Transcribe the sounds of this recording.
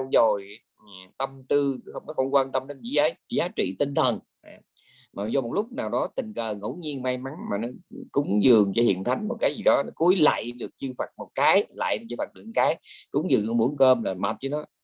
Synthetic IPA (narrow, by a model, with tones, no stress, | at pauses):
wzo˨˩j | t̪ə˧mt̪ɨ˧xə˧wŋ͡mnɔ˨˦xə˧wŋ͡mkwaː˧nt̪ə˧mɗe˧nzḭ˧˦ʔəː˨˦jzaː˨˦t͡ɕḭ˧˨t̪i˧ŋ̟t̪ʰə˨˩n | aː˨˩ | maː˨˩zɔ˧mo˨˩t̚lʊ˦˥k͡p̚naː˨˩wɗɔ˨˦t̪ï˨˩ŋkəː˨˩ŋo̰˧˥˦ɲi˧ənma˧jma˨˦ŋmaː˨˩nɔ˨˦kʊ˨˦ŋ͡mzɨ˨˩əŋt͡ɕɔ˧hḭ˧˨ənt̪ʰa˨˦jŋ̟mo˨˩t̚kaː˨˦jzi˨˩ɗɔ˨˦nɔ˨˦ku˨˦əjla̰ː˧˨jɗɨ˨˩ək̚t͡ɕɨ˧fa˨˩t̚mo˨˩t̚kaː˨˦jla̰ː˧˨jnɔ˨˦t͡ɕi˧fa˨˩ɗɨ˨˩k̚kaː˨˦jkʊ˨˦ŋ͡mzɨ̰˨˩˨ŋnɨ˧˩ɓu˨˧˦əŋkəː˧mlaː˨˩ma˨˩t̚t͡ɕə˨˦nɔ˨˦